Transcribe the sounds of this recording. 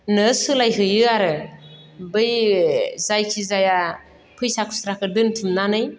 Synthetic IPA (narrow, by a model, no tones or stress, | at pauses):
nɯsɯlajɦɯjɯaɾɯ | bɯj | zajkʰizaja | pʰɯjsakʰu̥sɾakʰɯdɯntʰɯmnanɯj